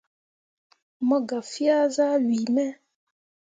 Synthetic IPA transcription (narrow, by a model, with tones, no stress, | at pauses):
mɔ˦ɡa˨fi˦a˦za˦lwi˨mɛ˦